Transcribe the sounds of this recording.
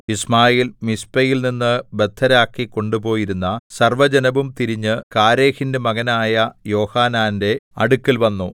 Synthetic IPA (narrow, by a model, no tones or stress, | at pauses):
ismaːjeːlmispɐjilninːɨbe̞d̪ʱːɐɾaːkːikːo̞ɳɖupo̞ːjiɾunːɐsɐrʋɐd͡ʑɐnɐʋumt̪iɾiɲːɨkaːɾe̞ːhindemɐɣɐnaːjɐjo̞ːhaːnaːnde̞ɐɽukːilʋɐnːu